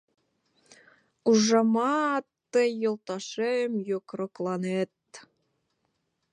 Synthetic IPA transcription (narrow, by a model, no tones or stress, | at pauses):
uʒɑmɑt̪ːəjolˠt̪ɑʃejəmjokroklˠɑnet̪̚